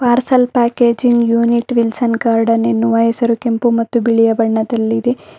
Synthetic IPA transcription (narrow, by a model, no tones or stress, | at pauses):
paːɾsɐlpaːkeːd͡ʒiŋɡjuːniʈʋilsɐnkaːɾɖɐnenːuʋɐɦesɐɾukempumɐt̪ːubiɭijɐbɐɳːɐd̪ɐlːid̪e